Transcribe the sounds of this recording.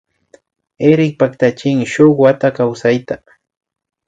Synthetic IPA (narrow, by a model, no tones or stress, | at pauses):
eɾɪk̚pakt̪at͡ʃɪŋʃoχwat̪akawsajt̪a